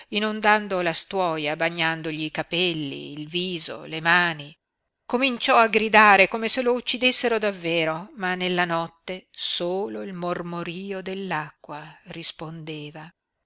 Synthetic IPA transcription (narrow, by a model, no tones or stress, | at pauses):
inond̪and̪olast̪wɔːjabaɲːand̪oʎiːkapɛlːḭːlviːzo̰lemaːni | komint͡ʃɔaɡɾid̪aːɾekoːmeselout͡ʃːid̪esːeɾod̪avːeːɾomanːelːanɔt̪ːesoːloilmormoɾiːod̪elːakːwarispond̪eːva